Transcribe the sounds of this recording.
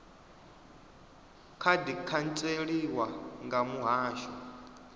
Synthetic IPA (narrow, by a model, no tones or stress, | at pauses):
kʰadikʰant͡sʼeɺiwaŋɡamuɦaːʃɔ